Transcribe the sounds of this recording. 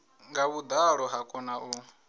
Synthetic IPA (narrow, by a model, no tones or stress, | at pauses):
ŋɡaβud̪aɺɔɦakʼɔnaʔu